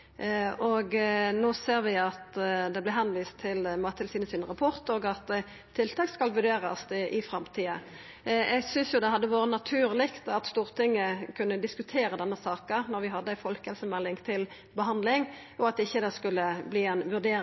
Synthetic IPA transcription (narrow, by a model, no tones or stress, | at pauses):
ɔɡnoːseːʁʋɪɑt̪d̪ɛblɛɦɛnʋiːst̪ʰːɪlmɑːt̪ʰɪlsiːd̪əsɪnʁɑpʰɔʁt̪ɔɡɑt̪ | t̪ʰːɪlt̪ʰɑːkskɑlʋʉʁɖeːʁɑsd̪ɛʔɪfɾɑmt̪ʰiːɑ | ɛɡsʏnsjʊd̪ɛɦɑd̪ːəʋoːɾənɑt̪ʰʉːʁlɪkt̪ɑt̪st̪uːʁt̪ʰɪŋːəkʰʉnːəd̪ɪskʉt̪ʰeːɾəd̪ɛnːəsɑːkənɔɾʋɪɦɑd̪ːəæɪfɔlkhɛlsəmɛlːɪŋt̪ʰɪl | bəɦɑnd̪lɪŋ | ʔɔɑt̪ɪçːəd̪ɛskʉlːəbliːɛnʋʉʁd̪eː